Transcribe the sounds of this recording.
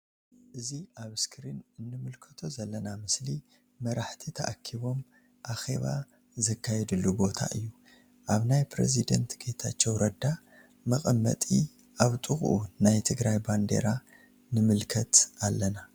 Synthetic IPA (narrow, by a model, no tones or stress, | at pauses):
ʔɨziʔaβɨskʰɾinɨnːɨmɨlkʰɐt̪ʰo̞zɐlːɐnamɨsli | mɐɾaħt̪ʰit̪ʰɐʔakʰiβo̞m | ʔaxe̞̰βa̰ | zɐkːajɛd̪ɨlːubo̞t̪ʰa̰ʔɨjːu | ʔaβnajpɾḛzid̪ɐ̰nt̪ɡet̪ʰat͡ʃːɛwɾɐd̪a | mɐkʼɐmːɐ̰t̪ʼi | ʔaβt̪ʼɨxʼʔunajt̪ʰɨɡɾajband̪ḛɾa | nɨmɨlkʰɐt̪alːɐna